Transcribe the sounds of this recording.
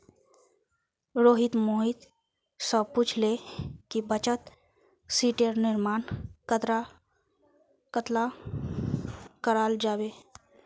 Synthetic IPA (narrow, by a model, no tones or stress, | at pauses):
ɾoːɦɪt̪moːɦɪt̪ | səpuːt͡ʃʰlekibət͡ʃət̪ | siːʈeɾnɪɾmaːnkət̪ɾa | kət̪la | kəɾaːld͡ʒaːweː